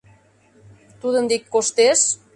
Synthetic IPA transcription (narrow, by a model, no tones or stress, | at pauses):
t̪uðənd̪ikːost̪es